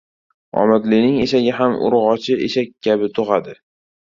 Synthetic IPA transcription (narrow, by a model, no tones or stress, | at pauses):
ɒ̰mat̪lɪnɪŋeʃaɡʲaɦamʔʊ̰ɾʁɒt͡ʃʰɪeʃak̚ʲkʲʰːabɪt̪ʰoʁad̪ɪ